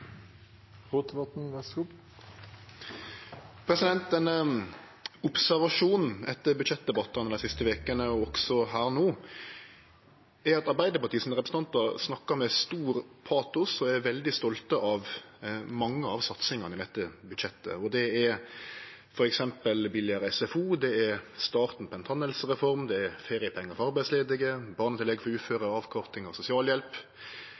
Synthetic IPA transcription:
ɾot̪̚əbɑt̪n̩ʋɛsɔ | pʰɾɛsɪd̪ɛnt̪̚d̪ɛnə | ʊpsæɾʋɑʂuːnn̩ɛt̪ːəɾbʉd̪ʃɛt̪̚d̪ɛbɑt̪ːɑnəd̪æɪsɪst̪əʋeːkənəɔɔksɔɦæːɾnuː | æɾɑt̪ɑɾbæɪd̪əɾpɑɾʈ̪iːəsɔnmɾɛpɾəsəɑnt̪ɑɾsnɑkːəɾmɛst̪uːɾpʰɑːt̪ʊsɔæɾʋɛld̪ɪst̪ɔlt̪əʔɑʋmɑŋːəɑʋsɑt̪sɪŋɑnɪd̪ɛt̪ːəbʉd̪ʃɛt̪ːə̰ɔd̪ɛɛɾ | fɔɾɛksɛmpəlbɪljəɾɛsɛfuːd̪ɛɛɾst̪ɑːʁt̪n̩pʰɔɛnt̪ʰɑnːɛlsəɾɛfɔɾmd̪ɛɛɾfeːɾɪəpʰɛŋːəɾfɔɾɑɾbæɪd̪sleːd̪ɪɡəbɑːɾnət̪ʰɪlɛɡfɔɾʉːt̪føːɾəɑːʋkʰɔɾt̪ɪŋɑsʊsɪɑːljɛlp

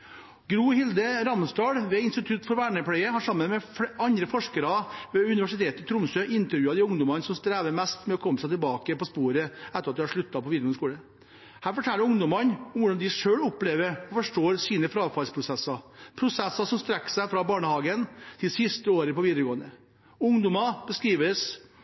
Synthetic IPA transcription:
ɡɾuːhɪld̪əɾɑmst̪ɑːɽʋɛɪnst̪ɪt̪ʰʉt̪fɔɾʋæːɳəpʰɽæɪəhɑʂɑmːənmɛfɑnd̪ɾəfɔʂkəɾɑʋɛʉnɪʋæʂɪt̪ʰeːt̪ɪt̪ʰɾʊmsøʔɪnt̪əɾjʉːɑd̪ɪʊŋd̪ɔmɑnsɔmst̪ɾæːʋəɾmɛst̪mɛɔkʰɔmːəsæɪt̪ʰɪlbɑːkəpɔspuːɾəɛt̪ːəɾɑt̪d̪ɪhɑʂɭʉt̪ːɑpʰɔʋiːd̪ɾɡɔnskuːlə | hæːɾfɔʈʰɛlːəɾʊŋd̪ɔmɑnmʋʊɖɑnd̪ɪʂøːɭʊpleːʋəɾɔfɔʂʈoːɾsiːnəfɾɑːʋfɑlspʰɾʊsɛsːɑpʰɾʊsɛsːɑsɔmst̪ɾɛkːsæɪfɾɑbɑːɳəhɑːɡənt̪ʰɪsɪst̪əoːɾəpɔʋiːd̪əɾɡoːənə | ʊŋd̪ʊmɑb̥əskɾiːʋəs

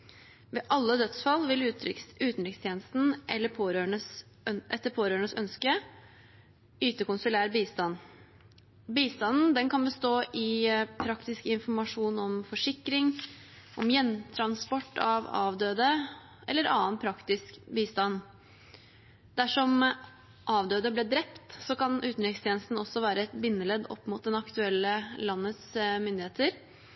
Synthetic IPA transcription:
ʋɛʔɑlːəd̪œt̪sfɑlːʋɪlʉːt̪n̩t̪ɾɪkst̪ʰjeːnəst̪n̩ʔɛlːəpʰoɾøɳəs | ʔɛt̪ːəpʰoːɾøːəɳəsœ̰nskə | yːt̪əkʊnsʊlæːɾbiːst̪ɑn | biːst̪ɑnn̩d̪ɛnkʰɑnbəst̪oːʔɪpʰɾɑkt̪ɪskəɪnfɔɾmɑʂuːnɔmfɔʂɪkːɾɪŋʔɔmjɛnt̪ʰɾɑnspɔʈːɑʋɑ̰ːʋd̪øːd̪ə | ʔɛ̰lːəɾɑːənpʰɾɑkt̪ɪskbiːst̪ɑn | d̪̥æʂɔm | ʔɑːʋd̪øːd̪əblɛːd̪ɾɛpt̪sɔkɑnʉːt̪nʏkst̪ʰjɛnst̪n̩ɔsːɔʋæːɾəɛt̪bɪnːəlɛd̪ɔ̰pːmʊːt̪̚d̪ɛnɑkt̪ʉɛlːəlɑnːət̪smʏnd̪ɪheːt̪əɾ

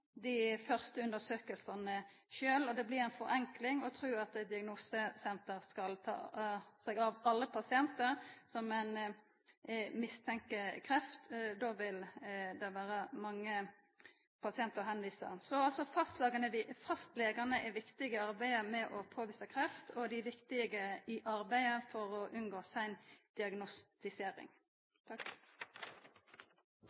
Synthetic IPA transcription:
d̪ɪfœʁst̪əʉnd̪əsøːkəlsɑnə | ʃøːlɔd̪ɛblɪɾæɪnfɔɾɛŋklɪŋɔt̪ʰɾʉːɑt̪ɛd̪ɪɑɡnuːsəsɛnt̪əʁskɑlt̪ʰɑ̰ːsɛɡɑʋɑlːəpʰɑsɪɛnt̪əʁsɔmɛɪn | mɪst̪ʰɛŋkəkʰɾɛft̪d̪oʋɪld̪ɛʋæːɾəmɑŋːə | pʰɑsɪɛnt̪əʁɦɛnʋiːsə̰ɾsɔɑlsɔfɑst̪lɑːɡənəʋɪfɑst̪leːɡənəʔɛʋɪkt̪ɪɡəɑɾbæɪəmɛʔɔpʰoːʋiːsəkʰɾɛft̪ʰɔd̪ɪʋɪkt̪ɪɡəɪʔɑɾbæɪəfɔɾɔʔʉnɡoːsæɪnd̪̥ɪɑɡnɔst̪ɪseːɾɪ̰ŋ | t̪ʰɑ

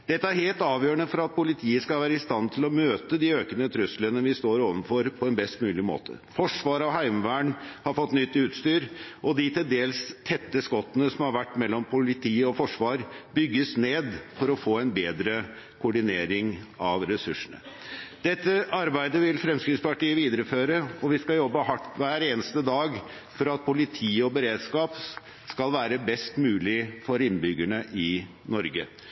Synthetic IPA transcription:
d̪̥ɛt̪ːəæɾheːlt̪ɑːʋjøːəɳəfɔɾɑt̪̚pʰʊlɪt̪ʰiːəskɑlʋæːɾəɪst̪ɑnt̪ʰɪlɔmøːt̪əd̪iːøːkənət̪ʰɾʉslənəʋɪst̪oːɾoːʋənfɔɾpʰɔɛnbɛst̪mʉːlɪmo̰ːt̪ʰə̰fɔʂʋɑːɾəɑʋhæɪmʋæːɳhɑɾfɔt̪ːnʏt̪ːʉːt̪st̪yːɾʔɔd̪ɪt̪ʰɪld̪eːlst̪ʰɛt̪ːəskɔt̪ːənəsɔmhɑɾʋæʈːmɛlːɔmpʰʊlɪt̪ʰiːɔfɔʂʋɑːɾbʏɡːəsneːd̪fɔɾɔfoːɛɪnbeːd̪ɾə | kʰʊʊɖɪneːɾɪŋɑʋɾɛsʉʂːəɳə̰d̪̥ɛt̪ːəɑɾbæɪd̪əʋɪlfɾɛmskɾɪt̪spɑʈiːəʋiːd̪əɾəføːɾəɔʋɪskɑjɔbːəhɑʈːʋæːɾeːnəst̪əd̪ɑːɡ | fɔɾɑt̪̚pʰʊlɪt̪ʰiːɔbəɾeːd̪skɑːp | skɑlʋæːɾəbɛst̪mʉːlɪfɔɾɪnbʏɡæɳəʔɪ | nɔɾɡə

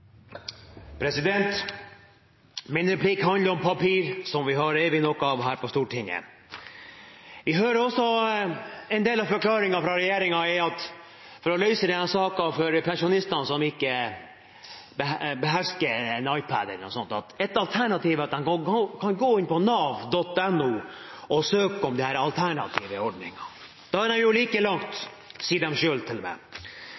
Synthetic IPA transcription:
pʰɾɛsɪd̪ɛnt̪ | mɪnɾɛpʰliːkɦɑnd̪ləɾɔmpʰɑpʰiːɾsɔmʋɪɦɑɾeːʋɪnɔkʊɑʋɦæːɾpɔst̪uːʈɪŋːə̰ | ʋɪɦøːɾəɾɔsːɔ | ɛnd̪eːlɑʋfɔɾkʰlɑːɾɪŋɑfɾɑɾɛjeːɾɪŋɑɛɑt̪ | fɔɾɔlœʏsəd̪ɛnɑsɑːkɑfɔɾpʰɛnʂʊnɪst̪ɑnsɔmɪkːə | bəbəɦæʂkənɑɪpʰæ̰d̪ə̰nɔ̰sɔnt̪ɑt̪ɛt̪ɑlt̪ʰæɳɑt̪iːʋɑt̪̚d̪ɛnokʰɑnɡoːɪnpɔnɑʋd̪ɔt̪ːɛnːuɔsøːkəɔmd̪ɪhæːɾɑlt̪ʰæɳɑ̰t̪ʰḭːʋəɔɖnɪ̰ŋɑ | d̪̥ɑhɑd̪ɛnjʊliːkəlɑŋt̪ | siːd̪ɛmʂøːlt̪ʰɪlmɛ̰

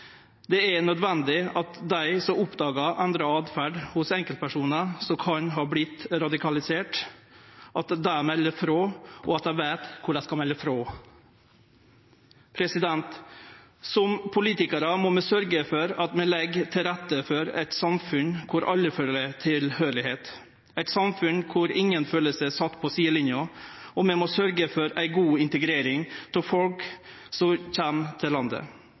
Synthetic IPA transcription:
d̪ɛɛnœd̪ʋɛnd̪ɪɑt̪d̪æɪsɔmʊpd̪ɑːɡɑʔɛnd̪ɾɑɑːd̪fæɖhʊsɛŋkəlpʰæʂuːnəsɔkʰɑɲɦɑːblɪt̪ɾɑd̪ɪkʰɑlɪseːʈ | ʔɑt̪d̪æmɛlːəfɾoːʔɔɑt̪̚d̪æɪʋæɪt̪kʰʊɖæɪskɑmɛlːəfɾoː | pʰɾɛsɪd̪ɛnt̪ | sɔmpʰʊliːt̪ɪkəɾəmɔmɛsœɾɡəfɔɾɑt̪mɛlɛɡt̪ʰɪlɾɛt̪ːəfɔɾæ̰ɪt̪sɑmfʉnkʰʊɾʔɑlːəføːlət̪ʰɪlhøːlɪheːt̪ | æɪt̪sɑmfʉnkʰʊɾɪŋːənføːləsəsɑt̪ːpʰɔsiːəlɪnjʊɔmɛmɔsœɾɡəfɔɾæɪɡuːɪnt̪əɡɾeːɾɪŋt̪ʰɪfɔlk | sɔçɛmt̪ʰɪlɑnd̪ə̰

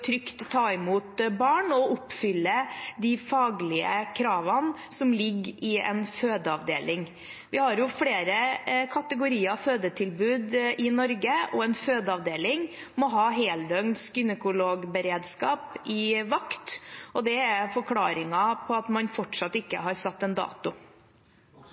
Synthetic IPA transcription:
t̪ʰɾʏkt̪ʰːɑːɪmuːt̪bɑːɳɔʔʊpːfʏlːəd̪ɪfɑːɡlɪə̰kʰɾɑːʋɑn | sɔmlɪɡːɪɛ̰nføːd̪əɑʋd̪ḛːlɪŋ | ʋɪhɑɾjʊfleːɾəkʰɑt̪əɡʊɾiːəɑføːd̪əʈ̪ʰɪlbʉːd̪ɪnɔɾɡəɔɛnføːd̪əɑʋd̪eːlɪŋ | mɔɦɑːɦeːld̪œŋd̪skʏnəkʊloːɡbəɾeːd̪skɑːpɪʋɑkt̪ɔd̪ɛæfɔɾkʰlɑːɾɪŋɑpʰɔɑt̪mɑnfɔʈʂɑt̪ːɪkːə̰ɦɑɾsɑt̪ːɛnd̪ɑ̰ːt̪ʊ

